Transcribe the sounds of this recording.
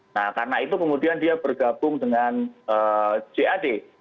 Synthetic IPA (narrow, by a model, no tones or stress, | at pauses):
nahkarənait̪ukəmudiandiabərɡab̥ʊŋdəŋanəːd͡ʒeʔade